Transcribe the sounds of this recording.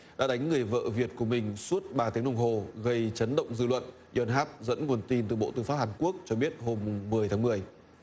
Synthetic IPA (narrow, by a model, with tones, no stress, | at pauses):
ɗa̰ː˧˥ɗa˨˦jŋ̟ŋɨ˨˩əjvə̰ː˧˨vi˨˩ət̚ku˧˩əmï˨˩ŋ̟su˦˥ət̚ɓaː˨˩t̪i˨˦əŋlə˧wŋ͡mɦo˨˩ɣə˧jt͡ɕə˨˦nɗə̰˧˨wŋ͡mzɨ̰˧˨lwə̰˧˨n | jɔ˧˩nɦaː˦˥p̚zə̰˧˥nŋu˨˩ənt̪i˧nt̪ɨ˨˩ɓo̰˧˨t̪ɨ˧˩faː˦˥p̚haː˨˩nku˦˥ək̚t͡ɕɔ˧ɓi˦˥ət̚ho˧mːʊ˨˩ŋ͡mmɨ˨˩əjt̪ʰaː˨˦mɨ˨˩əj